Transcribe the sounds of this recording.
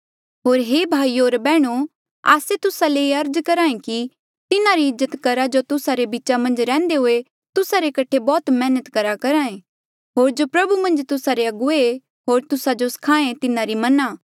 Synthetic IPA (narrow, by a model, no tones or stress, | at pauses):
ɦoːɾɦeːbʱaːioːɾbɛːɽ̃o | a̰ːset̪ʊsaleːiɐɾd͡ʒkɐɾãːẽki | t̪ɪnaɾiɪzːət̪kɐɾad͡ʒot̪ʊsaɾebiːt͡ʃamɐ̃nd͡ʒɾɛ̃ːnd̪eɦʊe | t̪ʊsaɾekɐʈʰebɔːt̪mɛːnət̪kɐɾakɐɾãːẽ | ɦoːɾd͡ʒopɾɐbumɐ̃nd͡ʒt̪ʊsaɾeɐɡʊe | ɦoːɾt̪ʊsad͡ʒoskʰaːẽt̪ɪnãɾimɐnaː